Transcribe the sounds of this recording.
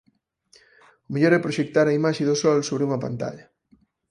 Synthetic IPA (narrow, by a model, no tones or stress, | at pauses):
ʊmeʎɔɾɛpɾoʃek̚t̪aɾɐimaʃeðʊsɔlsoβɾɪuŋɐpa̰nt̪a̰ʎɐ